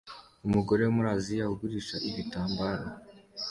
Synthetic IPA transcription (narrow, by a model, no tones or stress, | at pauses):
umuɡo̞ɾe̞wumuɾaːzijahuɡuɾiːʃaʔiβitaːmbaːɾo